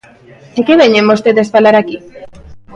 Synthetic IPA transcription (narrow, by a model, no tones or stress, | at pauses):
ekeβeɲemost̪eðespalaɾaki